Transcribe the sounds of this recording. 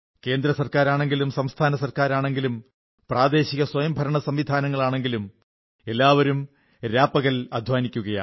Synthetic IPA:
ke̞ːnd̪ɾɐsɐrkaːɾaːɳe̞ŋɡilumsɐmst̪ʰaːnɐsɐrkaːɾaːɳe̞ŋɡilum | praːd̪e̞ːɕiɣɐswɐjɐmbʱɐɾɐɳɐsɐmʋid̪ʱaːnɐŋːɐɭaːɳe̞ŋɡilum | e̞lːaːʋɐɾum | ɾaːpːɐɣɐlɐd̪ʱʋaːnikʲːuɣɐja̰

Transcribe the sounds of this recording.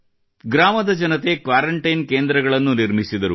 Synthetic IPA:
ɡɾaːmɐd̪ɐd͡ʒɐnɐt̪e̞kʋaːɾɐɳʈɐjnkeːnd̪ɾɐɡɐɭɐnːuniɾmisid̪ɐɾṵ

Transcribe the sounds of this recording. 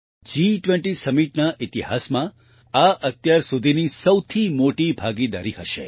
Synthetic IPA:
d͡ʒiʈʋẽɳʈisəmiʈnaʔit̪iɦa̰smã | aʔət̪jaɾsud̪ʱinisəwt̪ʰimoʈibʱaɡid̪a̰ɾiɦəʃḛ

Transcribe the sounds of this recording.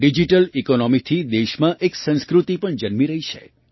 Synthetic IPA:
ɖid͡ʒiʈəlikonɔmit̪ʰid̪eʃmãʔeksə̃ñskɾut̪ipəɳd͡ʒənmiɾəɦit͡ʃʰḛ

